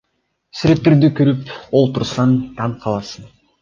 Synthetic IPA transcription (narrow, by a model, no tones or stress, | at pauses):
syɾe̞t̪ːeɾd̪ykøɾypolˠt̪uɾsɑnt̪ʰɑɴqʰɑlˠɑsɯn